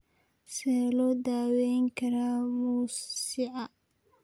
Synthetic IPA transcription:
sɛːlɔːd̪aːwɛjŋkʰɐɾaːmuːsɪʕɑ

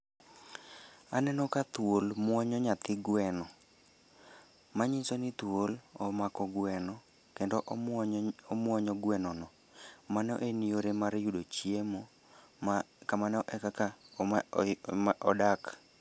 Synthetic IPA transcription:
anɛnɔkat̪wolmwɔɲɔɲat̪ɪɡwɛnɔ | maɲisɔnɪt̪wolɔmakɔɡwɛnɔ | kendɔʔ | ɔmwɔɲɔɡwɛnɔnɔ | manɔ̰ʔenioɾemaɾjudot͡ʃiemo | kamanɔʔɛkaka | ʔɔdak

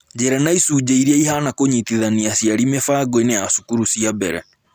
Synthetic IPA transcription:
d͡ʒɛɾɛnaisuːd͡ʑeiɾiaihanakoɲit̪iðaniasiaɾimefaːɡoeneasu̥kuɾusiabɛɾɛ̰

